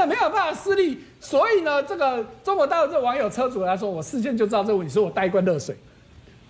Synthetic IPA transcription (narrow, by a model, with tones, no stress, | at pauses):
a˥˩nme˧˥ɪjo˨˩ʊpa˥˩nfa˨˩sɹ̩˥˧li˥˩ | swɔ˧˥i˨˩nə˦ʈ͡ʂə˥˩ɡə˨ʈ͡ʂŋkwə˧˥t̪a˥˧lu˥˩t͡sə˥˩˨wɑ˧˥ŋjo˨ʊt͡sʰɤ˥t͡su˨˩la˧ɪʂwɔ˥wɔ˨˩sɹ̩˥˧ɕ̬jɛ˥˧nt͡ɕjo˥˧ʊʈ͡ʂ̩̪˥ɑ˥˧ɤ˥˧˥ni˨˩ʂ̩˥˩ɔ˨˩t̪a˥˧ɪ˧kwa˥nlɤ˥˨ʂwe˨˩˦